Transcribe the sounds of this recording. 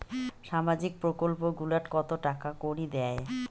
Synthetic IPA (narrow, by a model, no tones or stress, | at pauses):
ʃamad͡ʑik̚pɾokolpoɡulaʈkɔt̪oʈakakoɾid̪ɛe